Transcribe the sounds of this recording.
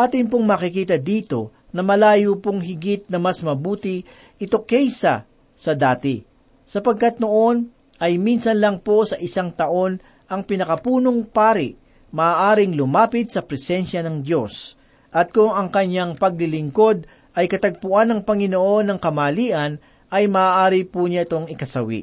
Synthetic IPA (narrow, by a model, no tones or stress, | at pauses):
ʔaːt̪ɪnp̬oŋmɐakɪkiːt̪̬ɐd̪iːt̪o̞̰ | nɐmɐlaːjopoŋɦɪɡɪt̪̚nɐmɐsmɐbuːt̪ɪ | ʔɪt̪okɛjsɐ̰ | sɐd̪aːt̪ɪ | sɐpɐɡ̚kɐt̪̚no̞ʔo̞n | ʔɐjminsɐnlɐŋpo̞sɐʔɪsaŋt̪ɐʔo̞n | ʔɐŋpɪnɐkɐpuːno̞ŋpaːɾɪʔ | mɐʔːʔaːɾɪŋlʊmaːpɪd̪̚sɐpɾɛsɛnʃɐnɐŋd̪jo̞s | ʔɐt̪̚kʊŋɐŋkɐɲaŋpɐɡ̚lɪlɪŋko̞d̪̚ | ʔɐjkɐt̪ɐɡ̚pʊʔanːɐŋpɐŋɪnoʔo̞nːɐŋkɐmɐːliːʔɐn | ɐjmɐaːʔaːɾɪpuɲaɪt̪o̞ŋɪkɐsɐwḭʔ